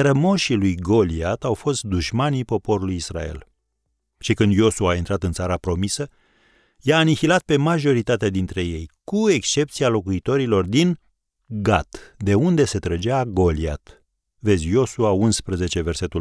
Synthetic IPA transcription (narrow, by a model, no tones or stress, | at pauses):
ɾəmo̞ʃilujɡo̞liat̪awfo̞st̪̚d̪uʃmanipo̞po̞ɾulujisra̰e̞̰l | ʃikɨnd̪jo̞suaːint̪ɾat̪ɨnt̪saɾapɾo̞misə | jaːnixilat̪̚pe̞maʒo̞ɾit̪at̪ead̪int̪ɾe̞je̞jkue̞kst͡ʃe̞p̚t̪sialo̞kuit̪o̞ɾilo̞rd̪in | ɡat̪d̪e̞und̪e̞se̞t̪ɾəd͡ʒaɡo̞lia̰t̪ | ve̞d̪zʲjo̞suaunspɾəze̞t͡ʃe̞ve̞rse̞t̪u